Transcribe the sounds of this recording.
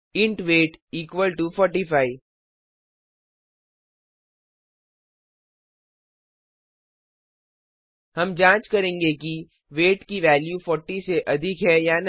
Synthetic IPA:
ɪ̃ɳʈʋeːʈiːkʋəlʈufɔːɾʈifaːi | hɐmd͡ʒãːt͡ʃkɐɾẽːŋɡeki | ʋeːʈkiʋɛːljufɔːɾʈiseʔɐd̪ʱɪkɦɛjan

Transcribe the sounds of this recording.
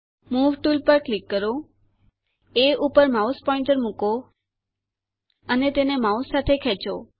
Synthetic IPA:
muʋʈulpəɾklikːəɾo | eupəɾmauspɔɪ̃ɳʈəɾmuko | ənet̪enemausːat̪ʰekʰɛt͡ʃo̰

